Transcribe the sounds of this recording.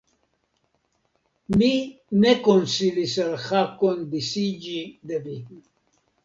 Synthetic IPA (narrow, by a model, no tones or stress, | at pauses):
minekonsiliselxakːond̪isid͡ʒid̪evi